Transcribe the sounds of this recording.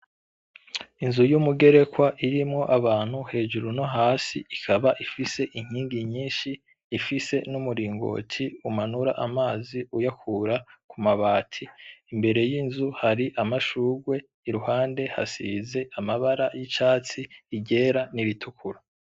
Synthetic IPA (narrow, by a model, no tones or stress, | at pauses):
inzujumuɡe̞ɾe̞kwaʔiɾimŋo̞ʔaβaːn̥huhe̞ːʒuɾuno̞ɦaːsiikʰaβaʔifise̞ʔiɲ̥iːŋɡiɲiːnʃiː | fise̞numuɾiːŋɡo̞̰ːtʰiumanuɾa̰ʔamaːziujakʰuɾakumaβaːtʰiːmbe̞ɾe̞jiːnzuhaɾiʔamaʃuːɾɡwe̞ | iɾuhaːnde̞ha̰sḭze̞ʔamaβaɾajit͡ʃaːt͡siːɟe̞ːɾaniβitʰukʰuɾa